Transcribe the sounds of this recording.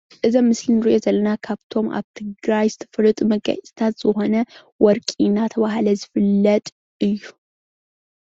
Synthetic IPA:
ʔɨzɐmːɨslɨnɾuʔezɐlːənakʰaβt̪ʰo̞mʔa̰βt̪ʰɨɡɾajst̪ʰɨfɨɾɨt̪ʼməɡa̰ʔsʼt̪ʰat̪z̥ɨho̞nə | wɔɾkʼinːat̪ʰəβaɦaləzɨfɨlːət̪ʼ | ɨjːu

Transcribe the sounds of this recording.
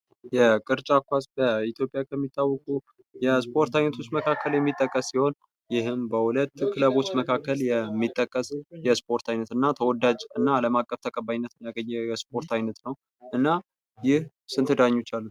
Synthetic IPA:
jɛkʼɨɾt͡ʃʼakʷasbəit̪ʰjo̞pʼjakʰəmːit̪ʰːawːɔkʼu | jɛspʰo̞ɾt̪ʰajnət̪ʰo̞t͡ʃːməkʰakʰːəljɛmːit̪ʼːəkʼːəsːiho̞n | jɪɦɨmbəhulət̪ːkʰɨləβo̞t͡ʃːməkʰakːəljɛmːit̪ʼːəkʼːəsjɛspʰo̞ɾt̪ʰajnət̪ɨnːat̪ʰəwɔd̪ad͡ʒɨnːaːləmakʼːəft̪ʰəkʼəbajnːət̪njaɡəɲːɛjɛspʰo̞ɾt̪ʰajnət̪nəw | ɨnːa | jɪh | sɨnt̪ʰɨd̪aɲːo̞t͡ʃːalːut̪

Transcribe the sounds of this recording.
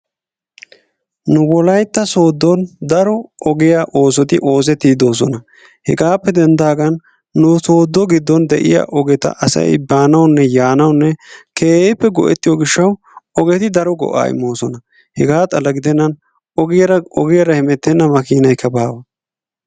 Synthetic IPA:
nʊbɔlɐjt̪ːɐsoːd̪ːɔnd̪ɐɾɔʔɔɡɪjaʔo̞ːs̬ɔt̪ɪʔo̞ːs̬ɛt̪ːiːd̪o̞ːs̬ɔnɐ | hɛ̰ɡaːpːɛd̪ɛnd̪aːɡɐnː | ʊsoːd̪ːɔɡɪd̪ːɔnd̪ɛʔɪ̰ja̰ːʔɔɡɛt̪ɐ̰ʔɐsɐ̰jbaːnɐwnːɛjaːnɐwnːɛkʰeːjɛjpːɛɡɔ̰ʔɛ̰t̪ːɪjoɡɪʃːɐw | ɔɡɛt̪ɪd̪ɐɾɔɡɔ̰ʔa̰ːɪ̰mːo̞ːsɔnɐ | hɛɡaːt̪ʼɐlɐɡɪd̪ɛnːɐn | ɔɡɪjɐɾɐɔɡɪjɐɾɐhɛmɛt̪ːɛnːɐmɐkiːnɐjkʰːɐbaːwɐ

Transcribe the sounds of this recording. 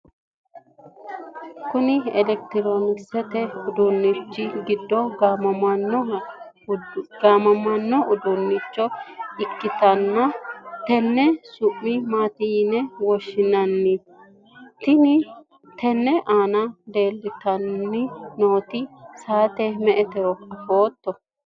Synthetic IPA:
kʊnɪɛlɛk̚t̪ɪɾoːnɪksɛt̪ɛʊd̪ʊnːɪt͡ʃːɪɡɪd̪ːɔɡamɐɐnːɔ | ɡaːmɐmɐnːɔʔʊd̪ʊnːɪt͡ʃːɔɪkːɪt̪ɐnːɐt̪ɛnːɛsʊpːɪmaːt̪inɛwɔʃːɪnɐnːɪ | t̪ɪnɪ | t̪ɛnːɛʔaːnɐd̪e̞ːlːɪt̪ɐnːɪnoːt̪ɪsaːt̪ɛmɛʔɛt̪ɛɔkɐfoːt̪ːɔ

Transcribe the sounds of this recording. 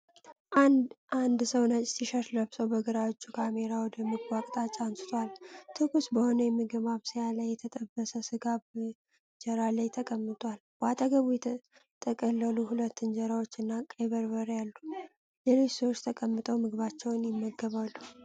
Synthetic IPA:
ʔaand̪səwnət͡ʃʼsiʃəɾləβsəwbəɡɨɾawo̞t͡ʃːukʰame̞ɾawɔd̪əmɨɡwakʼt̪ʼat͡ʃʼansɨ̥t̪ʰwalt̪ʰɨkusbəho̞nəjɛmːiɡəβaβsɨjalajːɛt̪ʰət̪ʼəbːəsəsɨɡab | d͡ʒɛɾalajt̪ʰəkʼəmːɨt̪ʼwal | b̥at̪ʼəɡəβujɛ | t̪ʼʰəkʼəlːəluhulət̪ːɨnd͡ʒɛɾawo̞t͡ʃːɨnːakʼeβəɾbəɾjalːu | jɛlejswot͡ʃːt̪ʰəkʼəmːɨt̪ʼəwmɨɡβat͡ʃːɛwnjɪmːəɡəβalːu

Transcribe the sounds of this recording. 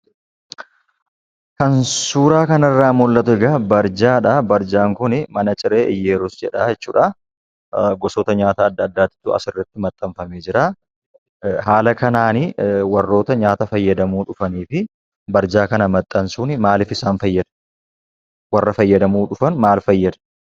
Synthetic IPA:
kɐnsuːɾaːkɐnɐrːaːmʊlːɐt̪ʊɛɡɐbɐɾd͡ʒaːᶑabɐɾd͡ʒaːŋkʊnɪmɐnɐt͡ʃʼɪɾe̞ːʔɪjːeːɾʊsd͡ʒɛᶑaːd͡ʒɛt͡ʃːuːᶑa | ɡɔsɔːt̪ɐɲaːt̪aːd̪ːɐːd̪ːaːt̪ːɪ̥t̪ːʊɐ̰sɪrːɐt̪ːɪmɐt̪ʼːɐɱfɐmeːd͡ʒɪɾaː | ɦaːlɐkɐnaːnɪwɐrːo̞ːt̪ɐɲaːt̪ɐfɐjːɐd̪ɐmuːᶑʊfɐniːfɪ | bɐɾd͡ʒaːkɐnɐmɐt̪ʼːɐnsuːnɪmaːlɪfɪsaːnfɐjːɐd̪ɐ̥ | wɐrːɐfɐjːɐd̪ɐmuːᶑʊfɐnmaːlfɐjːɐd̪ɐ̥

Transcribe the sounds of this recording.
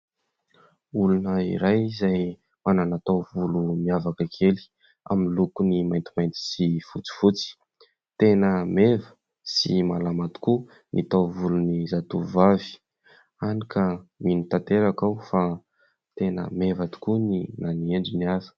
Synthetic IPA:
ulunəḭɾajizaj | mananat̪awvulumiavakəkʰeli̥ | a̰minlukunimajnt̪imajnt̪i̥sifut͡si̥fut͡si̥ | t̪enəmevə̥ | simalamat̪u̥ku | nʔit̪awvulunizat̪uvavi̥ | anikʰəminit̪ant̪eɾakawfa | t̪enə̰mevat̪u̥kuninanieɳd͡ʒiniazə̥

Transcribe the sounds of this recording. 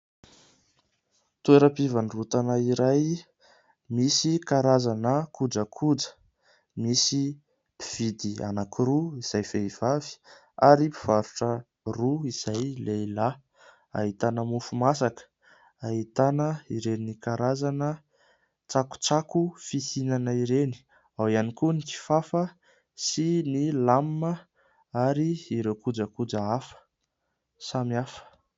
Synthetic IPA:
t̪ueɾəpivanrut̪anəiɾaj | misikaɾazanəkud͡ʒəkʰud͡zə̥ | misi | piv̥id̪ia̰nakiruiz̥ajfeiv̥avi̥ | aɾipi̥v̥aɾuʈ͡ʂə | ruiz̥ajlela | a̰ɦit̪anəmufumasakə̥ | aɦit̪anəiɾenikaɾazanə | t͡saku̥t͡sakufisinanəiɾeni̥ | awianikuniki̥fafə | sinilamːə | aɾiːɾekud͡zəkud͡zəafə̥ | samiafə̥

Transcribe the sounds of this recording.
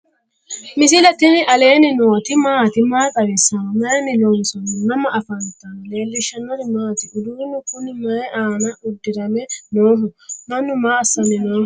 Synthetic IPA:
mɪsɪlɛt̪ɪnɪɐleːnɪnɔːt̪ɪmaːt̪ɪmaːkʼɐɾɛsɐnmɐɛnɪnoːnsɔnɔnɐmɐʔɐfɐnt̪ɐnleːlːɪʃɐnːɐɾɪmaːt̪ɪʔʊd̪ʊɾɪnːʊkʊnːɪmɐɛʔaːnɐʔʊd̪ːɪɾɐmɛnoːɦʊnɐnːʊmaːɐsːɐnɛnoːhʊ

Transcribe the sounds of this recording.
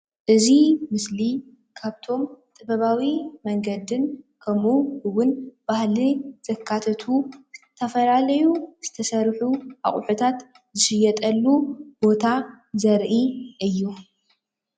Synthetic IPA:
ʔɨzimɨsli | kʰaβt̪ʰo̞mt̪ʼɨbɐβawimɐŋɡɐd̪ɨnkʰɐmuhɨwʊnb̥ahliz̥ɐkʰːat̪ʰɐt̪ʰuɨt̪ʰɐfɐlalɐjuz̥ɨt̪ʰɐsɐɾħuʔa̰χʼʊħut̪ʰat̪ | zɨʃɨjɛt̪ʼɐlːub̥o̞t̪ʰa | zɐɾʔiʔɨjːu

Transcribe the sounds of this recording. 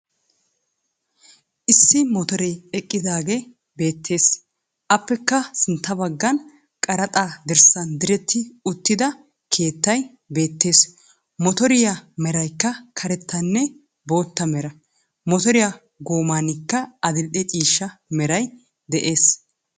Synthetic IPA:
ʔɪsːɪmɔt̪ɔɾɛjɛkʼːɪd̪aːɡe | be̞ːt̪ʰːe̞ːs | ʔɐpːɛkːɐsɪnt̪ːɐbɐɡːɐn | kʼɐɾɐt̪ʼaːd̪ɪɾsɐnd̪ɪɾɛt̪ːɪʊt̪ːɪd̪ɐ | kʰe̞ːt̪ːɐj | be̞ːt̪ːe̞ːs | mɔt̪ɔɾɪjɐmɛɾɐjkːɐkʰɐɾɛt̪ʰːɐnːɛ | bo̞ːt̪ːɐmɛɾɐ | mɔt̪ɔɾɪjɐ | ɡo̞ːmaːnɪkːɐɐd̪ɪlʔɛt͡ʃʼiːʃːɐmɛɾɐj | d̪ɛʔe̞ːs

